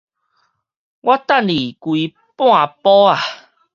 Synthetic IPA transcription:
wʔa˦˥t̪a˥˨nli˨˩kwi˨˧ | pw̃ã˥˧˨pɔ˦a˨˩

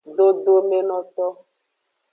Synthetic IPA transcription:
do˦do˦me˦nɔ̃˨t̪ɔ˦

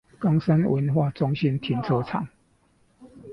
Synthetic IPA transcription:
kɑ˦ŋsə˦nwə˧˦nxwa˥˨t͡sʊ˦˥ŋɕi˦nt̪ʰi˨˦nt͡sʰo˥˦t͡sʰɑ̰˨˩˦ŋ

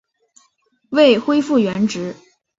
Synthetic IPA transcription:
we˥˩ɪxwe˥ɪfu˥˩ɥɛ˧˥nʈ͡ʂɻ̩˧˥

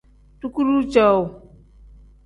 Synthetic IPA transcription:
tu˦ku˦ɾu˦t͡ʃa˦˨w

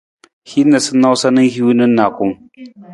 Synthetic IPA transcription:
hi˦nːa˨sʊ˦nːa˦wsɐ˦nɪ˦ŋhi˦wnɪ˦nːaː˨kʷʊ˦ŋ

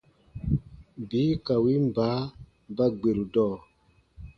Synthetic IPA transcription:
biː˨˦ka˨wi˦m˨baː˨˦ | ba˦ɡ͡be˨ɾu˨dɔː˦˨

